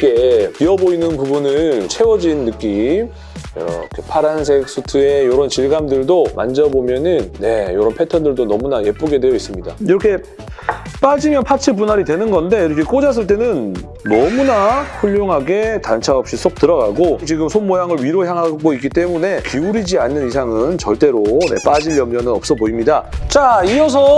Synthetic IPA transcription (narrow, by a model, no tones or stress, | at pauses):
k͈epiʌboinɯnpubunɯɭt͡ɕʰe̞wʌd͡ʑinːɯk͈im | jʌ̰ɾʌ̰kʰepʰaɾansʰek̚s͈utʰɯe̞joɾʌnt͡ɕiɭɡamdɯɭdoma̰nd͡ʑʌbomjʌnɯnːe̞joɾʌnpʰe̞tʰʌndɯɭdonʌmunaje̞p͈oɡe̞dwe̞jʌis͈ɯmɲida̰iɾʌkʰe̞ | p͈ad͡ʑimjʌnpʰat͡ɕʰiɭp̬unɦaɾidwe̞nɯnɡʌnde̞iɾʌkʰek͈od͡ʑas̬͈ɯɭt͈e̞nɯnː | ʌmunaɸuʎːoŋɦaɡe̞tant͡ɕʰaʌp̚ɕ͈is͈ok̚t͈ɯɾʌɡaɡot͡ɕiɡɯmsʰonmojaŋɯɭɥiɾoçjaŋɦaɡoik͈it͈e̞mune̞kiuɾid͡ʑianːɯnisʰaŋɯnt͡ɕʌɭt͈e̞ɾone̞̰p͈ad͡ʑiʎːʌmɲʌnɯnʌp̚s͈ʌboimɲidat͡ɕaiʌs̬ʰʌ